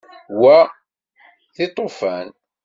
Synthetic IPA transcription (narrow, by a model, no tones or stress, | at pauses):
wæ | θɪt̪ˤːofæn